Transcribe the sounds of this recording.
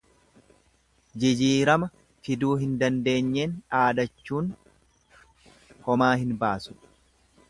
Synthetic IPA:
d͡ʒɪd͡ʒiːɾɐmɐ | fɪd̪uːɦɪnd̪ɐnd̪e̞ːɲːe̞ːnᶑaːd̪ɐt͡ʃːuːn | hɔmaːhɪnbaːsʊ̥

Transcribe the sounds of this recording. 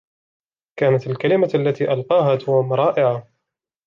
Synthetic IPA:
kaːnat̪alkalɪmaalːat̪iːʔalqɑːɦaːd̪ʊhmɾˤɑːʔɪʕa

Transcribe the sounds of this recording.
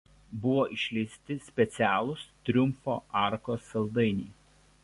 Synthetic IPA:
bʊʋoːʔɪʃʲlʲɛɪsʲt̪ʲɪsʲpʲɛt̪sʲæːlˠʊst̪ʲɾʲʊmfo̰ːʔɑˑɾkoːsɐlˠd̪ɐɪnʲiː

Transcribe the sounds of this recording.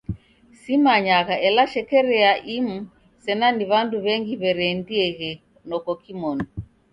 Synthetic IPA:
simaɲaɣaʔɛlaʃɛkɛɾɛaʔimu | sɛnaniβanduβɛŋɡiβɛɾɛndiɛɣɛ | nɔkɔkimɔnɔ

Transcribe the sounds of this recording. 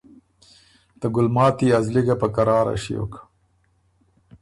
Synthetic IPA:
t̪əɡʊlmɑːt̪iazliɡapəkaɾɑːɾa̰ʃio̰kḁ

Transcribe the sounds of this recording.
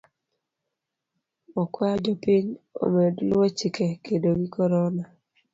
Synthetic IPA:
ɔkwad͡ʒopiɲo̰medlɔt͡ʃikʰekʰedoɡikɔɾɔna

